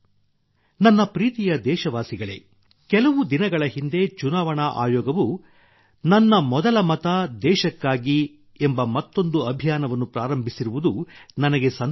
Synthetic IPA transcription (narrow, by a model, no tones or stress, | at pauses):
nɐnːɐpɾiːt̪ijɐd̪ɛːʃɐʋaːsiɡɐɭe̞̰ | kɛlɐʋud̪inɐɡɐɭɐɦind̪e̞t͡ʃunaːʋɐɳɐʔa̰ːjɔːɡɐʋu | nɐnːɐmɔd̪ɐlɐmɐt̪ɐd̪ɛːʃɐkːaːɡi | embɐmɐt̪ːond̪uɐbʱijaːnɐʋɐnːupɾaːɾɐmbʱisiɾuʋud̪unɐnɐɡe̞sɐn